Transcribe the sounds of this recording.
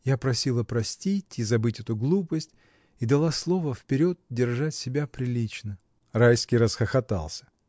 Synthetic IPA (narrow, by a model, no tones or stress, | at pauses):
japɾɐsʲilˠəpɾɐsʲtʲitʲizɐbɨtʲɛt̪ʊɡlˠupəsʲtʲ | id̪ɐlˠaslˠo̞vəfpʲɪɾʲo̞t̪̚dʲɪrʐatʲsʲɪbʲapɾʲɪlʲit͡ɕnə | rajskʲijɾəsxəxɐt̪a̰lˠsʲə̥